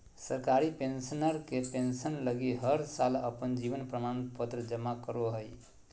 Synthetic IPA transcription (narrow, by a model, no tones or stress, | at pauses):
səɾkaɾipensənəɾkepensənləɡiɦəɾsalə̰pənd͡ʒiʋənpɾəmanpət̪ɾəd͡ʒəmakəɾoɦəj